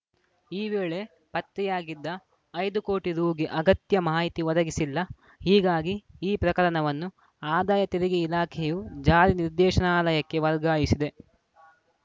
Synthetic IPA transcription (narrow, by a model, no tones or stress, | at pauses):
iːʋeːɭe | pɐt̪ɾɛjaːɡid̪ːɐː | jd̪ukoːʈiɾuːɡiʔɐɡɐt̪jɐmaːɦit̪iʋɔd̪ɐɡisilːɐ | hiːɡaːɡiiːpɾɐkɐɾɐɳɐʋɐnːu | aːd̪aːjɐt̪iɾiɡiilaːkʰɛjud͡ʒaːɾiniɾd̪ɛːʃɐnaːlɐjɐkːe̞ʋɐɾɡaːjisid̪e̞